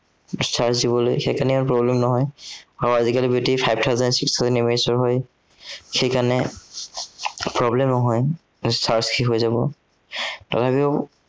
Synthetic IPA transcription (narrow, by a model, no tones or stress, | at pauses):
staɹsdibɔlo̰jxejkanɛɔnpɹɔblɛmnɔɦɔjaɹuazikalibiotipʰajb̚tʰawzɛndsikstʰazɛnimeɹisɔɹɦɔj | xejkanɛ | pɹɔblemnɔɦɔj | staɹsxʰiɦojzabɔ | ta̰tʰapiɔ